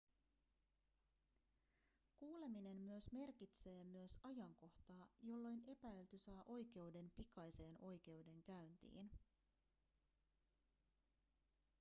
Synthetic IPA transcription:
kuːle̞mine̞mːyøsme̞rkit̪se̞ːmyøsɑjɑŋko̞ht̪ɑːjo̞lːo̞jne̞pæilt̪ysɑːʔo̞jk̟e̞ude̞mpikɑjse̞ːnʔo̞jk̟e̞ude̞ŋkæɥnt̪ḭːn

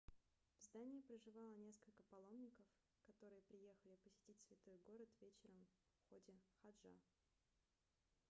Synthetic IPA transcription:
vzd̪anʲɪːpɾəʐɨvɑlˠənʲe̞skəlʲkəpɐlˠo̞mnʲɪkəf | kɐt̪o̞ɾɨjəpɾʲɪje̞xəlʲɪpəsʲɪ̥tʲitʲsvʲɪt̪o̞jɡo̞ɾət̪vʲet͡ɕɪɾəm | fxo̞dʲɪxɐdʐa̰

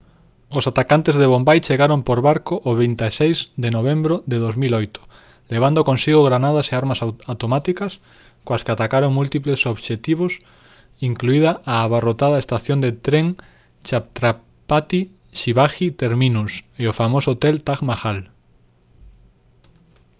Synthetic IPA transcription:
osat̪akant̪ezðeβ̞ombajt͡ʃeɣaɾompoɾβaɾkoʔoβejnt̪esejzd̪enoβ̞embɾoðeðozmilojt̪ʊ̥ | leβ̞and̪okõnsiɣoɣ̞ɾanað̞aseaɾmasawt̪omat̪ikas | koaskeat̪akaɾoŋmult̪iplesoβʃet̪iβ̞os | iŋkluið̞aʔaːβarot̪aðaest̪aθjond̪et̪ɾeŋ | t͡ʃap̚t̪ɾa | pat̪i | ʃiβaxit̪eɾminuseofamosoot̪elt̪aɣmaxal

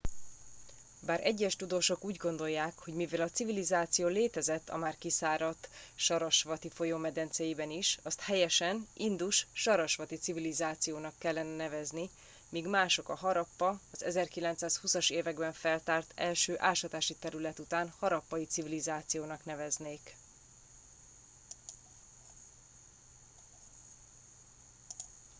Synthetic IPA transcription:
baːɾʔɛɟːɛʃt̪ud̪oːʃo̞kuːɟɡo̞nd̪o̞jːaːkho̞ɟmivɛlɒt̪sivilizaːt̪sijoːleːt̪ɛzɛt̪ːɒ̰maːrkisaːɾɒt̪ːʃɒɾɒʃʋɒt̪ifo̞joːmɛd̪ɛnt̪sɛjibɛniʃɒst̪hɛjɛʃɛnind̪uʃʃɒɾɒʃʋɒt̪it̪sivilizaːt̪sijoːnɒkːɛlːɛnɛnɛvɛzni | miːɡmaːʃo̞kɒɦɒɾɒpːɒɒzɛzɛrkilɛnt̪saːshusɒʃeːvɛɡbɛɱfɛlt̪aːrt̪ɛlʃøːʔaːlʃɒt̪aːʃit̪ɛɾylɛt̪ut̪aːnhɒɾɒpːɒjit̪sivilizaːt̪sijoːnɒknɛvɛzneːk

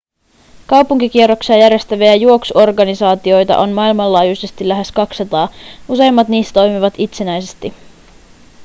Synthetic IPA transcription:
kɑwpuŋkik̟ierːo̞ksiɑjæɾe̞st̪æʋeæɑjuo̞ksuo̞rɡɑnisɑːt̪io̞jt̪ɑ̰ʔo̞nmɑilmɑlːɑːjujse̞st̪ilːæɦe̞skɑksɑt̪ɑːuse̞jmːɑt̪niːst̪æt̪o̞jmiʋɑt̪it̪se̞næjse̞st̪i

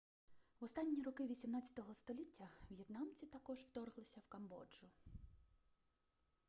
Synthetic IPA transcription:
wɔst̪ɑnʲːiɾɔkɪʋʲisʲimnɑt͡sʲɐ̥t̪ɔɦɔst̪ɔlʲitʲːɐwjet̪nɑmt͡sʲit̪ɐkɔʒwt̪ɔrɦlˠɪsʲɐwkɐmbɔ̰d͡ʒʊ

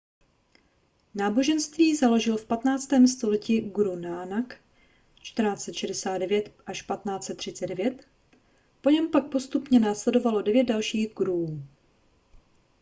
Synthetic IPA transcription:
naːbo̞ʒɛnst̪viːzalo̞ʒɪlfpat̪naːt͡st̪ɛːmst̪o̞lɛciɡɾunaːnak | t͡ʃt̪rnaːt͡sɛt̪ʃɛdɛsaːd̪dɛvjɛt̪ʔaʃpat̪naːt͡sɛt̪ːr̥ɪt͡sɛdɛvjɛt̪ | po̞ɲɛmpak̚po̞st̪upɲɛnaːslɛdo̞valo̞dɛvjɛt̪̚dalʃiːɣɡɾuː

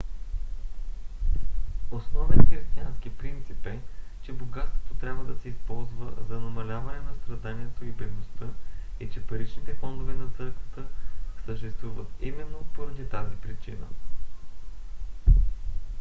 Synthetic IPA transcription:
osnɔvɛt̪xɾist̪ianskipɾint̪sipɛt͡ʃɛboɡat̪st̪vo̥t̪ot̪ɾʲabvəd̪ɐsɛispɔlˠzvə̰zɐnɐmɐlʲavɐnɛnɐst̪ɾɐd̪aniɛt̪oibɛd̪nost̪əɛt͡ʃɛpɐɾit͡ʃnit̪ɛfɔnd̪ovɛnɐt̪sɤɾkvə̥t̪əsəʃt̪ɛst̪vuvət̪imɛnːopoɾɐd̪it̪azipɾit͡ʃinə̰

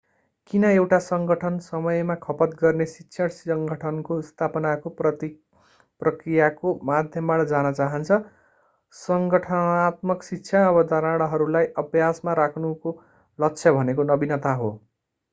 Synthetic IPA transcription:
kinʌewʈasʌŋɡʌʈʰʌnsʌmʌjmakʰʌpʌt̪ɡʌrnesitːsʰʌɽsʌŋɡʌʈʰʌnkost̪ʰapʌnakopʌt̪i | prʌkrijakomad̪ʱjʌmbaʈʌd͡zanʌt͡saɦʌnt͡sʰʌ | sʌŋɡʌʈʰʌat̪mʌksitːsʰjaːbʌd̪ʌɾaɽ̃ʌɦʌɾulajʔʌbʱjasmaɾakʰnuko | lʌkt͡sʰjʌbʱʌnekonʌbinʌt̪aɦo̰

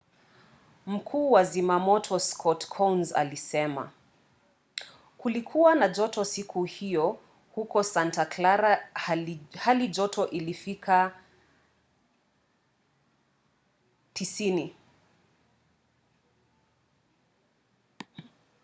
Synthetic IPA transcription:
m̩kʰuːwazimamɔtʰɔskʰɔtkʰɔnza̰lisɛma̰ | kulikʰuwanad͡ʒɔtɔsikʰuhijɔ | hukɔsantaklaɾa | halid͡ʒɔtʰɔʔilifikʰa | tisini

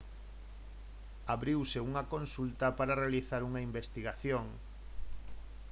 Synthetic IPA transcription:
aβɾiwseuŋɐkõnsult̪ɐpaɾarealiθaɾuŋaimbest̪iɣaθjoŋ

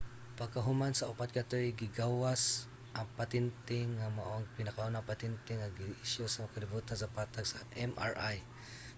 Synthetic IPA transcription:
paɡ̚kaɦʊmansaʊpat̪̚kat̪ɛɹiɡɪɡawas | ʔɐŋpat̪ɪnt̪ɪŋːamaʔoŋpɪnakaonapat̪ɪnt̪ɪŋːaɡiʔɪʃjosamkalɪbut̪asapaːt̪aɡsaʔɛma̰ɹʔaj

